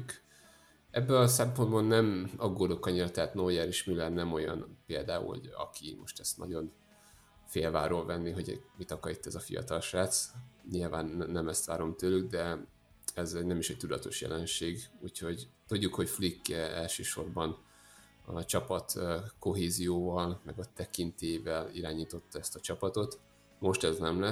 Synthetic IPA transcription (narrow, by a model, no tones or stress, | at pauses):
k | ɛbːɛnɒsɛmpo̞nd̪bɒnːɛmɒɡːoːd̪okɒɲiɾɒt̪ɛɦaːt̪nojɛɾiʃmilɛnnɛmo̞jɒ̰npeːld̪aːṵlho̰ɟɒ̰kʰimo̞̰ʃt̪ɛst̪nɒ̰ɟo̞n | feːlvaːɾoːlvɛnːiɦo̞ɟmit̪ɒkɒɾit̪ːɛzɒfḭjɒ̰t̪ɒlʃaːt̪sɲilvaːnːɛmɛst̪ʋaːɾo̞mt̪øːlyɡ̚d̪ɛ | ɛzɛɟnɛmiʃɛc̚t̪ud̪ɒt̪o̞ʃjɛ̰lɛnʃeːɡuːcho̞ɟt̪uɟːukho̞cflikːɛɛlʃøːʃo̞rbɒn | ɒt͡ʃɒpɒt̪øko̞ɦeːzijoːvɒlmɛɡɒt̪ɛkint̪eːjvɛliɾaːɲiːt̪o̞t̪ːɒɛst̪ɒt͡ʃɒpɒt̪o̞t̪ | mo̞ʃt̪ɛznɛmlɛ